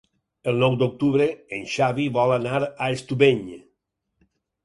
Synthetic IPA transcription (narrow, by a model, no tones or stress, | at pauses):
elˠnɔwd̪ok̚t̪uβɾeenʃaβiβɔlanaɾaest̪uβeɲ